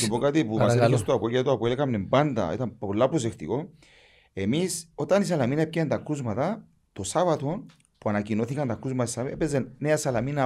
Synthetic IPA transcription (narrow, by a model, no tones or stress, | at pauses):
supokat̪ipumaseost̪oapojat̪uapoeleɣamnemband̪ɐ̰ḭt̪ɐmpolːapos̬ekt̪iko̞ | e̞miso̞t̪ɐnis̬alaminɐep̚cent̪ɐkuzmɐt̪ɐ | t̪o̞savat̪o̞n | puanacino̞θikɐnt̪ɐkuzmat̪saepezenneasɐlamina